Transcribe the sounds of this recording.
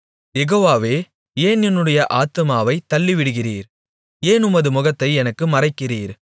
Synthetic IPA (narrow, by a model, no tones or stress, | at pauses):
jɛɣoːʋaːʋeː | eːnjɔnːɯɽɐjɐʔaːt̪ɯmaːʋɐɪt̪ːɐɭːiʋɪɽɯɣɪriːɾ | eːnʊmɐðɯmʊɣɐt̪ːɐɪɛnɐkːɯmɐrɐɪkːɪriːɾ